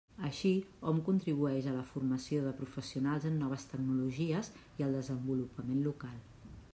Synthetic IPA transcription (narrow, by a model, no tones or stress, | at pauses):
əʃiɔmkunt̪ɾiβuɛʃələfurməsioðəpɾufəsiunalˠzənːɔβ̞əst̪əɡ̚nuluʒiəziəlˠd̪əzəmbulupəmenlukalˠ